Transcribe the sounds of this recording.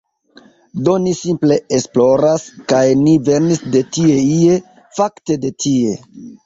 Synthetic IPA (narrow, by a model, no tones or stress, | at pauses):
do̞nisimple̞esplo̞ɾaskajnive̞ɾnisde̞tie̞ie̞ | fakte̞de̞tʰie